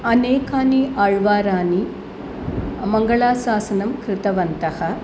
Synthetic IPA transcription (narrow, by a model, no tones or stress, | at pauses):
ɐneːkaːniʔaːɻʋaːɾaːni | mɐŋɡɐɭaːsaːsɐnɐmkɾɪt̪ɐʋɐnt̪ɐhɐ